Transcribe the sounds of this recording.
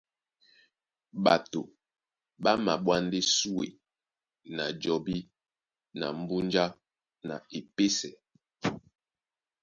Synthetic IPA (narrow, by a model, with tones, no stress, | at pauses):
ɓa˨to˨ | ɓa˦ma˨ɓwa˦nde˦su˦wḛ˨ | na˨d͡ʒɔ˨bi˦ | na̰˨m̩˦bu˦nd͡ʒa˦ | na̰˨e˨pe˦sɛ˨